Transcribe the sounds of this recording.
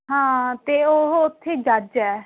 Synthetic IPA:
ɦãːt̪eːoɦʊt̪ʰːeːd͡ʒad͡ʒɛː

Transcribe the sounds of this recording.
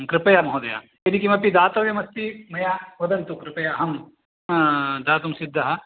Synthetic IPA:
kɾɪpɐjamɐɦoːd̪ɐja̰ | jɐnikimɐpid̪aːt̪ɐʋjɐmɐst̪imɐjaʋɐd̪ɐnt̪ukɾɪpɐjaɐɦɐm | d̪aːt̪umsid̪ʱːɐɦɐ̆

